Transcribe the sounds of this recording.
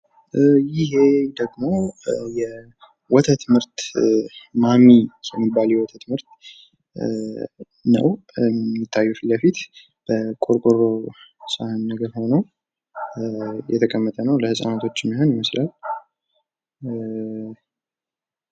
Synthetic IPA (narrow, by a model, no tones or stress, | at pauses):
jɪɦe̞d̪əɡmo̞jɛ | wɔt̪ʰət̪mɨɾt̪ | mamijɛmːibːaljɛwɔt̪ʰət̪mɨɾt̪ | nə̰wit̪ʰːajːufləfit̪ | b̥əkʼoɾkʼorosahɨnːəɡəɾho̞nəw | jɛ̰t̪ʰəkʼəmːət̪ʼənəwləhɨsʼa̰nat̪ʰo̞t͡ʃːɪmːiɦonjɪməslal